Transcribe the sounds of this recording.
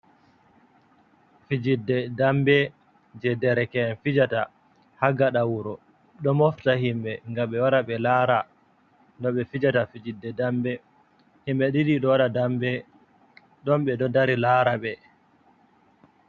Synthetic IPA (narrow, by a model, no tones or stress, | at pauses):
fid͡ʒidːɛdambɛ | d͡ʒɛdɛɾɛkɛnfid͡ʒata | haɡaɗawuɾɔ | ɗɔmɔftahimɓɛŋɡaɓɛwaɾaɓɛlaɾa | ndɔɓɛfid͡ʒatafid͡ʒidːɛdambɛ | himɓɛɗiɗiɗɔwaɗadambɛ | ɗɔmɓɛɗɔdaɾilaɾaɓɛ